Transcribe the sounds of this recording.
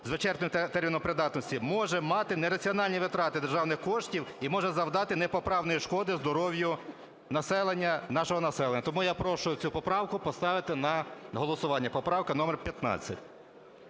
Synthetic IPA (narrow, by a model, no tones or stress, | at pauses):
zʋɪt͡ʃɛrt̪ɔt̪ɛrʲmʲinɔmpɾɪd̪ɑt̪nɔsʲtʲimɔʒɛmɑt̪ɪnɛɾɐt͡sʲiɔnɑlʲnʲiʋɪt̪ɾɑt̪ɪd̪erʒɑwnɪxkɔʃtʲiwimɔʒɛzɐwd̪ɑt̪ɪnɛpɔpɾɑwnɔjiʃkɔd̪ɪzd̪ɔɾɔwjʊ | nɐsɛlˠenʲːɐnɑʃɔɦɔnɐsɛlˠenːɐt̪ɔmujapɾɔʃʊjʊt͡sʲupɔpɾɑwkʊpɔst̪ɑʋɪt̪ɪnɐɦɔlˠɔsʊʋɑnʲːɐpɔpɾɑwkɐnɔmɛrpʲjɐt̪nɑ̰t͡sʲːɐtʲ